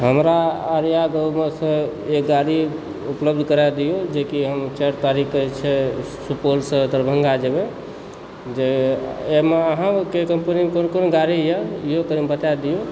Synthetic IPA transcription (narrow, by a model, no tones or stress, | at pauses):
ɦəmɾaːɾijaɡəwmesə̃ekɡaɾi | upləbd̪ʱkəɾad̪ijod͡ʒekiɦəmt͡ʃəɾt̪aɾikət͡ʃʰɛsupolsə̃d̪əɾbʱəŋɡad͡ʒebe | d͡ʒeemeəɦãkekəmpənimekonokonoɡaɾijəiɦokəɾimbət̪ad̪ijo